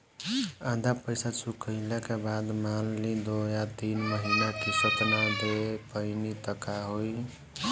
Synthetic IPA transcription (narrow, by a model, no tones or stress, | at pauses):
ãd̪ʱapəɪsat͡ʃukəɪlekebad̪malːid̪ojat̪inməɦinakisət̪mad̪epəɪnit̪əkaɦoj